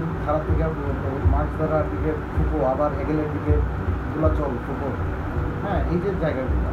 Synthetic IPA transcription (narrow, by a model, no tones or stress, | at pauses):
k̪ʰaɾat̪ʰːikapɾod͡ʑont̪omãd͡ʑd̪ʱaɾaɾbikeʈkʰukoabaɾeɡelebikeʈ | d͡ʑulat͡ɕɔlkʰubo | ɦɛ̃ejd͡ʑed͡ʑaeɡabula̰